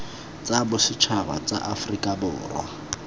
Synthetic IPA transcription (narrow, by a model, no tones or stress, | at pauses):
t͡sʼabʊsɪt͡ʃʰaba̰t͡sa̰ʔafʊrikʼabʊːrwa̰